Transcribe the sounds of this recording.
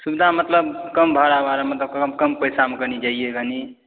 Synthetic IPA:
subid̪ʱamət̪ləbkəmbʱəɾabaɾamət̪ləbkəmkəmpəjsamekəɾnid͡ʒaijeɡʱəni

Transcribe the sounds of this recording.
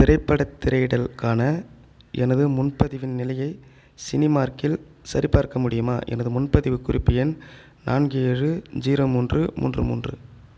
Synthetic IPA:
t̪ɪrɐɪpːɐɽɐt̪ːɪɾɐɪɽɐlkaːnɐ | ʔɛnɐðɯmʊnpɐðɪʋɪnnɪlɐjɐɪ | sɪnɪmaːɾkɪl | sɐɾipaːɾkɐmʊɽɪjɯmaːʔɛ̰nɐðɯmʊnpɐðɪʋɯkːʊɾɪpːɪjɐn | nʔa̰ːnɡeɻɯd͡ʒiːɾoːmuːndrɯmʔṵːndrɯmṵːndrɯ̰

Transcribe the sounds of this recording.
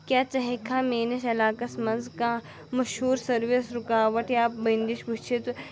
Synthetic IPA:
kjaːt͡ʃɐɦekʰaːmeːnɐʃɐlaːkɐsmɐ̃nzkãː | mɐʃhuːɾsɐɾʋesɾʊkaːʋɐʈjaːpbɐnd̪iʃbut͡ʃʰit̪

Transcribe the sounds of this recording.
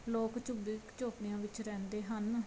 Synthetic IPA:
loːkt͡ʃʊbiːkt͡ʃoːpneːãːʋɪt͡ʃɾɛ̃ːnd̪eːɦən

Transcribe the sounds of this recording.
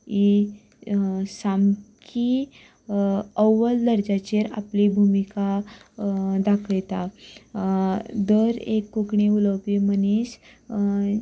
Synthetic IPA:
i | samki | əwʋəld̪əɾd͡ʑat͡ɕeɾa̰plibʱumika | d̪akʰəjt̪a | d̪əɾekːukɳiuləwpimənis

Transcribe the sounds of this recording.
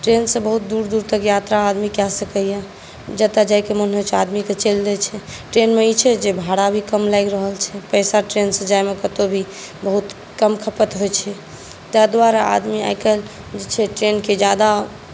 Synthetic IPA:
ʈɾensə̃bəɦut̪̚d̪uɾd̪uɾt̪əkjat̪ɾaːd̪mikjɛsəkəja | d͡ʒət̪ad͡ʒajkemənɦot͡ʃʰead̪miket͡ʃəld̪ɛt͡ʃʰɛʈɾenmeit͡ʃʰɛd͡ʒebʱaɽabʱikəmlajɡɾəɦəlt͡ʃʰɛpəɪsaʈɾensə̃d͡ʒajmekət̪obʱi | bəɦut̪ | kəmkʰəpət̪ɦojt͡ʃʰɛ | t̪ad̪waɾaa̰d̪mia̰jkəl | d͡ʒet͡ʃʰɛʈɾenked͡ʒjad̪a

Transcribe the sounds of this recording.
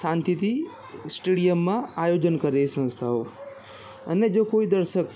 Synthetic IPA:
sãnt̪it̪i | sʈeɽijəmːãajod͡ʒənkəɾesə̃st̪ʰaɦo | əned͡ʒokoid̪əɾsək

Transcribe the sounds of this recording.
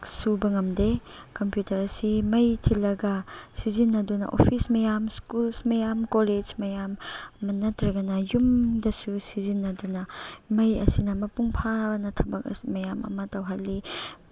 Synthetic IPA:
subɐŋɐmde | kɐmpjutɐɾɐsimɐjtʰilːɐɡɐsizinːɐdunɐ̰ʔo̰pʰismɐjamskulsmɐjamkoled͡ʒmɐjamːɐnɐtɾɐɡɐnɐjumdɐsusizinːɐdunɐmɐjɐ̰sinɐmɐpuŋpʰabnɐtʰɐbɐk̚mɐjamɐ̰mɐtɐwɦɐlːi

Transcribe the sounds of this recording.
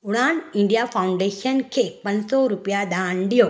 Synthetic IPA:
ʊɽaːnɪɳɖijaːfɐwʊɳɖeːʂɐnkepɐnsoːɾupːjaːd̪aːɳɖijo

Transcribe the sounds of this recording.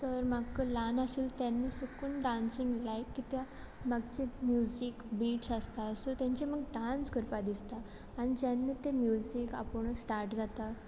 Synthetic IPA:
t̪əɾmaɡkəlanaɕiːlt̪janːiːsukunɖansiŋɡlajkːit̪ja | maɡt͡ɕemjud͡zikbiʈsast̪asot̪jãɲt͡ɕeməɡɖanskəɾpad̪ist̪aː | ñit̪janːiːt̪emjuzika̰pəɳsʈaɾʈd͡zat̪a

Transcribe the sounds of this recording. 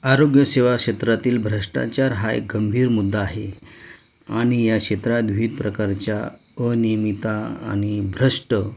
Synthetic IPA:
aɾoɡjəseʋakɕet̪ɾat̪iːlbʱɾəʂʈa̰t͡ɕaɾɦajɡəmbʱiːɾmud̪ʱːaːɦe | aɽ̃ijakɕet̪ɾad̪ʋiːt̪̚pɾəkaɾt͡ɕjaənijmit̪aa̰ɽ̃ibʱɾəʂʈə

